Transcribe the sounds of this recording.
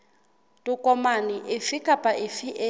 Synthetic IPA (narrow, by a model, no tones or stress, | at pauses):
tʼukʼɔmaniʔɪfikʼapʼaʔɪfiʔe